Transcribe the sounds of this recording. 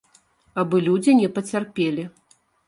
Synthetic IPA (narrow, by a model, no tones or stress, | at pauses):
abɨlʲud͡zʲinʲɛpɐt͡sʲarpʲelʲi